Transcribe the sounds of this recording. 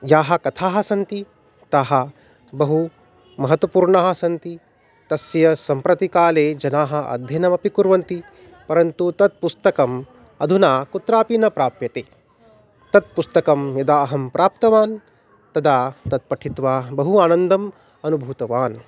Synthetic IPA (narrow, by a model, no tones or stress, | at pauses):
jaːɦɐ̆kɐt̪ʰaːɦɐsɐnt̪i | t̪aːɦɐ̆ | bɐɦu | mɐɦɐt̪wɐpuːɾɳaːɦɐ̆sɐnt̪i | t̪ɐsjɐsɐmpɾɐt̪ikaːleːd͡ʒɐnaːɦɐ̆ʔɐ̰d̪ʱjɐnɐmɐpikuɾʋɐnt̪i | pɐɾɐnt̪ut̪ɐt̪̚pust̪ɐkɐm | ɐ̰d̪ʱunaːkut̪ɾaːpinɐpɾaːpjɐt̪eː | t̪ɐt̪̚pust̪ɐkɐmjɐd̪aːɦɐmpɾʔaːp̚t̪ɐʋaːn | t̪ɐd̪aːt̪ɐt̪̚pɐʈʰit̪ʋaːbɐɦuaːnɐnd̪ɐm | ɐnubʱuːt̪ɐʋaːn